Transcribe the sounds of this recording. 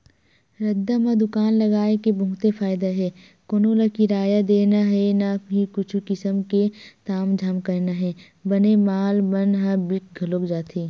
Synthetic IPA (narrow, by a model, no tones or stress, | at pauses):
ɾɐd̪ːamãd̪ʊkaːnlɐɡaːekebɐɦʊt̪efaːjd̪aɦɛː | koːnolakiɾaːjad̪eːnaɦɛnaɦikʊt͡ʃʰukɪsəmket̪aːmd͡ʒʱaːmkɐɾnaɦɛː | bɐnemaːlbənɦabɪk̚ɡʱɐloːkd͡ʒaːt̪ʰeː